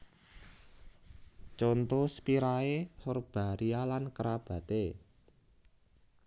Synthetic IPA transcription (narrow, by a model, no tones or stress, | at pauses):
t͡ʃont̪ospiɾaesorb̥a̤ɾialankəɾab̥ä̤t̪e